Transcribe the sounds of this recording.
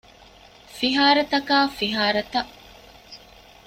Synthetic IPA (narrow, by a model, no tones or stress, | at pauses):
fiɦaːɾɐt̪ɐkaːfiɦaːɾɐt̪ɐ